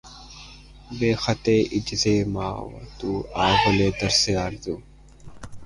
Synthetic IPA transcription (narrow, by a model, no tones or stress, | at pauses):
beːxɐt̪eːʔɪd͡ʒzeːmaːw̰t̪uːaːɣoleːd̪ɐɾseːaːɾd̪uː